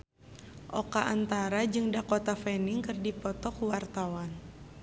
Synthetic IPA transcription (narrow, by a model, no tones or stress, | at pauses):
ʔɔkaʔant̪aɾad͡ʒɨŋdakot̪afɛniŋkɨrdipɔt̪ɔkwart̪awan